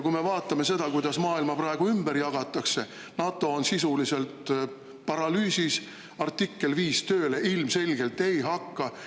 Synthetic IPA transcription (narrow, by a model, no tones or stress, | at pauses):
kujme̞vɑːt̪ːˑɑme̞se̞d̪ɑkujd̪̥ɑsmɑːilmɑprɑeɡ̥uymbeɾjɑɡ̥ɑt̪ːˑɑkse̞ | nɑt̪ːˑo̞ːnsisulise̞lt̪ | pɑɾɑlyːsis | ɑrt̪ːikːe̞lviːst̪ø̞ːle̞ʔilmse̞lʲɡ̥e̞lt̪ːe̞jɦɑkːɑ